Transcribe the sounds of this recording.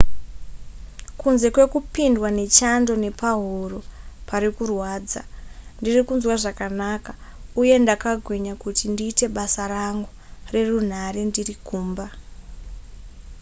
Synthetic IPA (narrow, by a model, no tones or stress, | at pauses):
kunze̞kwe̞kupindwane̞t͡ʃando̞ne̞paɦuro̞paɾikurwaːd͡zandirikunzwaʐakanakauje̞ndakaɡʱweɲakutindiːte̞ɓasaraŋɡu | re̞run̤aɾe̞ndirikuːmba